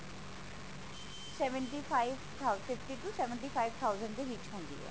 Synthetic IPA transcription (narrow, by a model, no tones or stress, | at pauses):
sɛːʋəɳʈiːpʰaːiʋt̪ʰafɪfʈiːʈuːsɛʋəɳʈiːpʰaːɪʋt̪ʰaːʊzə̃ɳɖd̪eːʋɪt͡ʃɦʊ̃ːnd̪ḭːɦɛ̰ː